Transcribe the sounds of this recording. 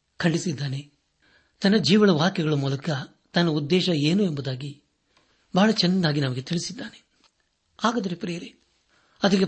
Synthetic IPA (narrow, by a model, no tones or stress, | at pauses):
kʰɐɳɖisid̪ːaːne | t̪ɐnːɐd͡ʒiːʋɐɭɐʋaːkjɐɡɐɭɐmuːlɐkɐ | t̪ɐnːɐud̪ːɛːʃɐeːnue̞mbud̪aːɡi | bʱaːɭɐt͡ʃɛnːaːɡinɐmɐɡet̪iɭisid̪ːaːne | aːɡɐd̪ɐɾepɾeːɐɾe | ɐd̪ɐɡe